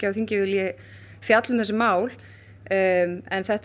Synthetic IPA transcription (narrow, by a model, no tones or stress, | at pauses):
ɪawθiɲcɪvɪljɛ | fjat̪lʏmθɛsɪmaːwl | ɛnθɛht̪